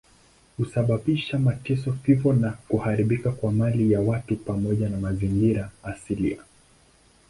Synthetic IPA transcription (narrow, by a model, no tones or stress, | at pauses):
husaɓaɓiʃamatɛsɔfivɔnakuhaɾiɓikakwamalijawatupamɔʄanamaziŋɡiɾaːsilḭa